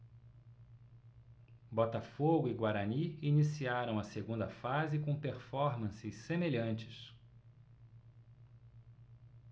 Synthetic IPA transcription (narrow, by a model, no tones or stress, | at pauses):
bɔt̪afoɡʊiɡwaɾɐniinisiaɾɐ̃w̃ɐseɡũnd̪ɐfazɪkõpeɾfɔɾmɐ̃sɪssemeʎɐ̃nt͡ʃɪ̥s